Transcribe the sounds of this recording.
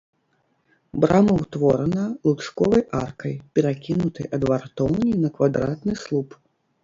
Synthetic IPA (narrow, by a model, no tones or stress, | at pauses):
bɾʔamɐwt̪vɔɾɐnɐlˠut̪ʂkɔvɐjʔa̰rkɐjpʲɛɾakʲinut̪ɨjʔɐd̪vart̪ɔwnʲinɐkvad̪ɾat̪nɨslˠup